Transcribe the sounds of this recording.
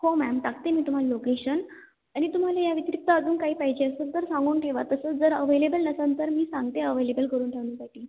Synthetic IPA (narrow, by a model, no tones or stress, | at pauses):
homæmt̪akt̪emiːt̪um̤alilokeɕən | aɽ̃it̪um̤alajaʋit̪ɾik̚t̪aəd͡zuːnkaɦiːpaɦid͡ʑeəsət͡st̪əɾsãŋɡuːnʈʰeʋat̪əsəːt͡sd͡zəɾəʋelebəlnəsənt̪əɾmiːsãŋɡt̪eəʋelebəlkəɾuːnʈʰeʋnũːsaʈiː